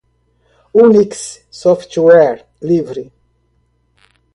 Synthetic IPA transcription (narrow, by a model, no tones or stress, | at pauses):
uniks | sɔftwɛɾ | livɾi